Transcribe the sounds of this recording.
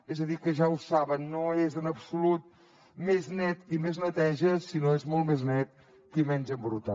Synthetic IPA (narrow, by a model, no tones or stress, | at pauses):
ezəðikəʒausaβənːoezənəpsulut̪̚ | meznɛt̪imeznət̪ɛʒəsinoezmolˠt̪meznɛt̪̚ | kimɛnʲd͡ʒəmbɾut̪a̰